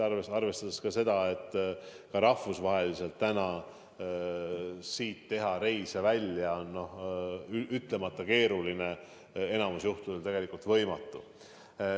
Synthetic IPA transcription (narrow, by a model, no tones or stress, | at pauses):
reɑrve̞st̪ɑd̪eskɑse̞d̪̥ɑe̞t̪ːˑ | kɑɾɑhvusvɑɦe̞lise̞lt̪ːænɑ | siːt̪ːe̞ɦɑɾe̞jsevælʲjɑonːo̞h | ʔyt̪le̞mɑt̪ːˑɑke̞ːɾuline̞ | e̞nɑmusjuht̪uoolʲt̪e̞ɡ̥e̞likult̪vɤ̞jmɑt̪ˑːu